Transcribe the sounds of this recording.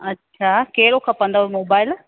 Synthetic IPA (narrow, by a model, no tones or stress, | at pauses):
ɐtːɕʰakeɦɪɾokʰãːpɐ̃nd̪amoːbaːɪl